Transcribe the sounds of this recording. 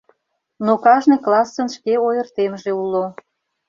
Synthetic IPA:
nokɑʒneklɑsːənʃkeojərt̪emʒeulo

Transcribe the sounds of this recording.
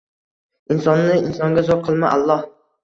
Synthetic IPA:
ɪnsɒnːɪɪnsɒŋɡʲazɒt̪̚qʰɨlˠma̰ʔa̰lˠːɒh

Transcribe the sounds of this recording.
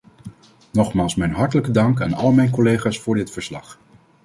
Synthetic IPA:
nɔχmaːlˠsmɛjnɦɑɹtələkədɑŋkaːnɑlˠmɛjnkɔlejχaːsfʊːɹdɪtfəɹslɑχ

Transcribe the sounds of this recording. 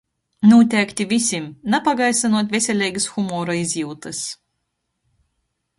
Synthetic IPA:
nuːt̪ʲæːkʲt̪ʲivʲisʲimnapaɡajsanuɔt̪ʲvʲesʲɛlʲɛjɡɨsxumɔɾaizʲjiwt̪ɨs

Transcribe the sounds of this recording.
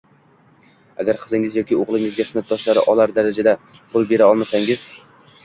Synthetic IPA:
aɡʲaɾqʰɨzɪŋɪzjɒkʲɪoʁlˠɪŋɪzɡʲasɪnɪt̪̚d̪ɒʃlaɾɪ̰ʔɒlaɾd̪aɾad͡ʒad̪a | pʰʊlˠbe̞ɾaɒlˠmasaŋɪz̥

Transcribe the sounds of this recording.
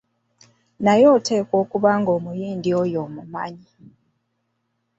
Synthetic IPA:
najo̞ːtʰe̞ːkwo̞ːkuβaŋɡo̞ːmujiːndiojo̞ːmuma̰ɲi

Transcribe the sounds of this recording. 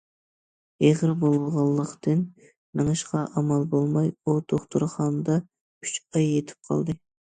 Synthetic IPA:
eʁɾbolˠʁɑlˠːəqt̪ɨn | nɨŋɨʃqɑʔɑmɑlˠbolˠmɑjut̪ʰoχt̪ʰɨɾχɑnd̪ɑ | yt͡ʃɑjːet̪ʰɪ̥p̚qʰɑ̰lˠd̪ɨ

